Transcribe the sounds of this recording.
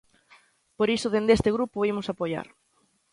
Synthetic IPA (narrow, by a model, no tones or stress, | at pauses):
poɾisʊðend̪est̪ɪɣɾupʊimʊsapoja̰ɾ